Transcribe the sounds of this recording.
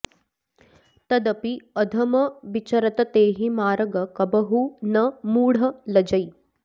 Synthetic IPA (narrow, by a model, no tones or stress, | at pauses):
t̪ɐd̪ɐpiɐd̪ʱɐmɐʋit͡ʃɐɾɐt̪ɐt̪eːɦimaːɾɐɡɐkɐbɐɦunɐmuːɽ̤ɐlɐd͡ʒɐj